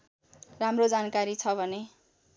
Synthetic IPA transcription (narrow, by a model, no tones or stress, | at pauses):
ramrod͡zankaɾit͡sʰʌbʱʌne